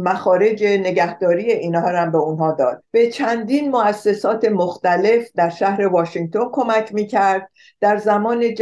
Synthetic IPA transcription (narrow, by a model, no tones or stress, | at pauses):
mæxɒːɾe̞d͡ʒene̞ɟæhd̪ɒːɾiːje̞ʔiːnhɒːɾæmbe̞unɦɒːd̪ɒːd̪̥̚b̥e̞t͡ʃʰænd̪iːnmoæsːe̞sɒːt̪ʰe̞moxt̪æle̞fd̪æɾʃæhɾe̞vɒːʃiŋɡ̚t̪ʰo̞nkʰo̞mækʰmiːcʰæɾd̪̥̚ | d̪̥æɾzæmɒːned͡ʒ